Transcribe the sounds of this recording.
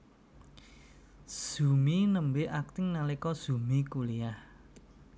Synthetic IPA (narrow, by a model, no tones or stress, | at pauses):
z̥ṳminəmbeak̚t̪ɪŋnalikɔz̥umikuliah